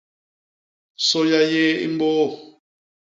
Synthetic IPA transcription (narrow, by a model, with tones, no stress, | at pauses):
sɔ˦ja˦jɛ˦ḭ˦m˦bɔː˦˨